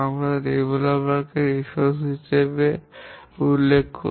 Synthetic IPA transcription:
amɾaɾebolabakeɾiʃosɦiʃebe | ulːekʰːo

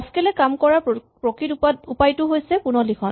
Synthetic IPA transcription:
skɛlɛkamkɔɹa | pɹɔkɹituupajtʊɦojsɛpunɔlikʰɔn

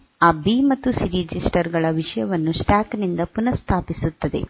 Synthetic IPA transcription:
ɐbimɐt̪ːusiɾid͡ʒisʈɐɾɡɐɭɐʋiʂɐjɐʋɐnːusʈaːknind̪ɐpunɐst̪ʰaːpisut̪ːɐd̪e̞̰

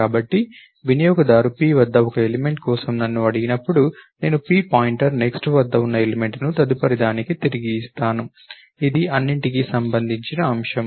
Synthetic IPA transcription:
aːbɐʈːi | ʋinɐjoːɡɐd̪aːɾupiːʋɐd̪ːɐɔkɐeleme̞ɳʈkɔːsɐmnɐnːuɐɽiɡinɐpːuɽune̞ːnupiːpaːjiɳʈɐɾne̞ksʈʋɐd̪ːɐunːɐeleme̞ɳʈnut̪ɐd̪upɐɾid̪aːnikit̪eɾiɡiːst̪aːnu | id̪iʔɐnːiɳʈikiːsɐmbɐnd̪ʱiɲt͡ʃinɐːmʂɐm

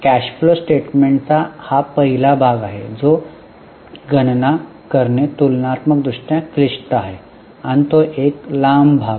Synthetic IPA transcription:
kæɕflosʈeʈmeɳʈt͡sahapəɦilabʱaɡaɦḛd͡zo | ɡənna | kəɾɳet̪ulnat̪məkd̪ɾuʂʈjãkliʂʈəaɦe | añit̪oʔeklambʱaɡ

